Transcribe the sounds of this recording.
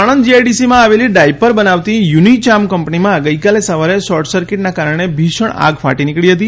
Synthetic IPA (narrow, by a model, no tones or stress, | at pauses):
aɽ̃ənd͡ʒiaɖisimãːʋeliɖaijpəɾbənaʋt̪ijunit͡ʃamkəmpnimãɡəikalesəʋaɾesɔɾʈʰsəɾkɪʈnakaɾəɳ̃ebʱiʃəɳ̃a̰ɡfa̰ʈinikɭiɦət̪i